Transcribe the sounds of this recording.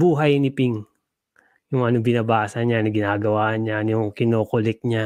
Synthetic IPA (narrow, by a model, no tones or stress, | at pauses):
buːɦɐjnɪpiŋ | jʊŋʔɐnobɪnɐbaːsɐɲanɐɡɪnaːɡɐwaːʔɐnɲajʊŋkɪnoːkʊlɛk̚ɲa